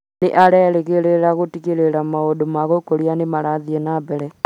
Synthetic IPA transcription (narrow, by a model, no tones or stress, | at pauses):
neʔaɾɛɾeɣeɾeɾaɣotiɣeɾeɾamaodomaɣokoɾianemaɾaðiɛnabɛɾɛ